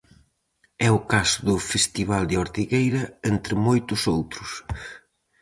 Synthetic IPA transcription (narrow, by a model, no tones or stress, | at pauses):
ɛʊkasʊðʊfest̪iβald̪ɪɔɾt̪iɣejɾɐent̪ɾɪmojt̪ʊsowt̪ɾʊs